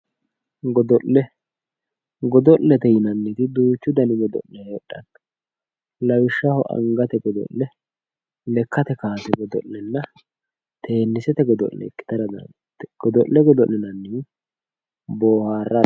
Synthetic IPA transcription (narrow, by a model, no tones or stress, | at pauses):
ɡɔd̪ɔʔːɛ | ɡɔd̪ɔllːɛt̪ɛjɪnɐnːɪt̪ɪd̪uːt͡ʃːʊd̪ɐnɪɡɔd̪ɔ̰ʔlːɛɔɗːɐn | lɐwɪʃːɐhɔʔɐ̰ŋɡɐt̪ɛɡɔd̪ɔ̰llɛ | lɛkʰːɐt̪ɛkaːt̪ɛɡɔd̪ɔ̰ʔlːɛnːɐ | t̪e̞ːnːɪsɛt̪ɛɡɔd̪ɔ̰llːɛ̰kːɪ̥t̪ɐɾɐd̪ɐ̰n | t̪ːɡ̥ɔd̪ɔʔlːɛɡɔd̪ɔʔːɛnɐnːi | boːhaːrːɐ